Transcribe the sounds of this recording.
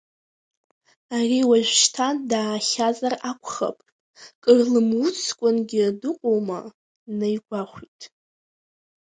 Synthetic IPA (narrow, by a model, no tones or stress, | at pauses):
ariwaʒᶣʷʃtʰadaːχʲazarakʷʰʼχa̰pʼ | kʼɨrlɨmwut͡sʰkʷʼʊnɡʲɪdɨqʷʼowma̰ | najɡʷaχʷitʼ